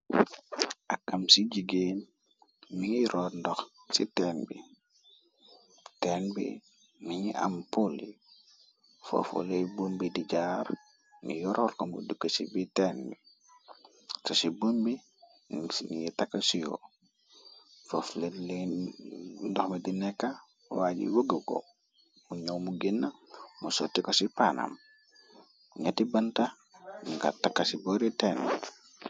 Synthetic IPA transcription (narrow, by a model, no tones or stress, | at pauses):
ʔakːamsiɟiɡen | miŋiɾʔɔɾndɔxsitɛnbḭ | teːnbḭ | niɲiʔa̰mpulḭ | fo̰fo̰lejbombidiɟaːɾ | nḭjɔɾɔlkombṵdukːəsibitenbi | sosibombi | nijitakːasijo̰ | fofleli | dɔxmedinekːa | waɟḭwoɡəko̰ | muɲowmuɡinːamusotːikosipana̰m | uɲatibanta | ŋɡa̰takːasiboɾiteni